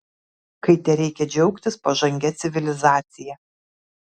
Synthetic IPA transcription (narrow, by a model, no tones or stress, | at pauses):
kɐɪt̪ʲɛɾʲɛɪkʲɛd͡ʒʲɛʊkt̪ʲɪspɐʒɐŋʲɡʲɛt̪sʲɪʋʲɪlʲɪzɑːt̪sʲɪjɛ